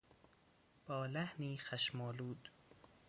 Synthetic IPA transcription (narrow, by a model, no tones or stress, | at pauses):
b̥ɒːlæhniːxæʃmɒːluːd̪